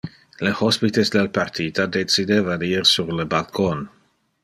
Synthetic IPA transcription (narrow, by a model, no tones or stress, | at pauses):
ləhɔspit̪esd̪elpart̪ʰit̪ad̪et͡sid̪evadirsurləbalkʰon